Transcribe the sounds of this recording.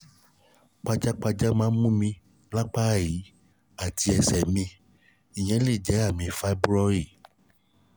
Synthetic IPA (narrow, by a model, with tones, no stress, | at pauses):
k͡pa˧d͡ʒa˦k͡pa˧d͡ʒa˦mãː˨˦n˦mũ˦mĩ˧ | la˦k͡pa˦˨ji˨˦ | a˨ti˧ɛ˧sɛ˨mĩ˧ | i˨j̃ɛ̃˨˦li˦˨d͡ʒɛ˨˦a˦˨mĩ˧fa˦bɾɔ˧ɾi˦˨